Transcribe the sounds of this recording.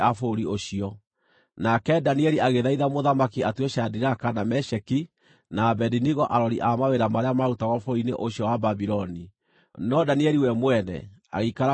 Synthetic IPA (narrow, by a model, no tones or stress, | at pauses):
afoɾioɕiɔ | nakɛdaniɛɾiʔaɣeðaiðamoðamakiatweɕadiɾakanamɛʃɛki | nabɛdiniɣɔʔaɾɔɾiʔamaweɾamaɾeamaɾutaɣɔfoɾinḛʔoɕiɔwababiɾɔni | nɔdaniɛɾiwɛmwɛnɛ̰a̰ɣeikaɾa